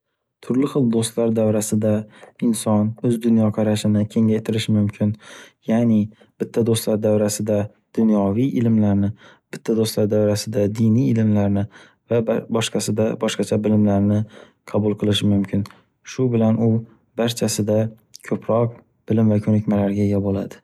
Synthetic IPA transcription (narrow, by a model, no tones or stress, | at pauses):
t̪ʰʊɾlɪχɨlˠd̪ost̪laɾd̪awɾasɪd̪aɪnsɒnɵzd̪ʊnjɒqʰɑɾaʃɪnɪkʲʰe̞ŋajt̪ʰɪɾɪʃɪmʊmkʲʰɪnjanɪ | b̥ɪt̪ʰːad̪ost̪laɾd̪awɾasɪd̪a | d̪̥ʊnjɒvijʔɪlɪmlaɾnɪ | b̥ɪt̪ʰːad̪ost̪laɾd̪awɾasɪd̪ad̪ɪjnijɪlɪmlaɾnɪ | vabɒʃqɑsɪd̪abɒʃqɑt͡ʃʰabɪlɪmlaɾnɪ | qʰɑbʊlˠqʰɨlˠɪʃɪmʊmkʰʲɪn | ʃʊbɪlanʊ | baɾt͡ʃʰasɪd̪a | kʲʰɵpʰɾɒq̚ | b̥ɪlɪmvakʲʰɵnɪkʲmalaɾɡʲaeɡʲabolad̪ɪ